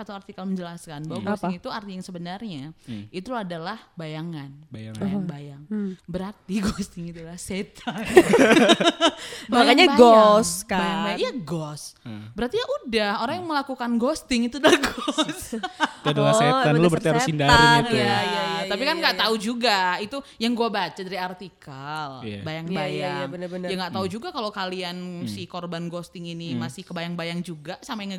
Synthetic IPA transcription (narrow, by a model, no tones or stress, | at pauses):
kat̪aart̪ikalməɲd͡ʒəlaskanbawaɡɔstiŋit̪uart̪ijaŋsəbənarɲait̪uadalahbajaŋanŋjŋbajaŋbəɾart̪iɡost̪ɪŋit̪ulaset̪ʰann | akaɲaɡɔskabajaŋaijaɡɔsbəɾart̪ijaʔudahoɾaŋjaŋməlakukanɡɔst̪ɪŋit̪udəlahɡɔsdadoaset̪annlubəɾt̪iaɾʊsindaɾiit̪ujajat̪apikanɡaʔt̪aud͡ʒuɡait̪ujaŋɡuabat͡ʃadadiart̪ikalbajaŋbajaŋənjaŋɡaʔt̪aud͡ʒuɡakalokaliansikorbanɡɔst̪ɪŋinimasɪhkəbajaŋbajaŋd͡ʒuɡasamajaŋ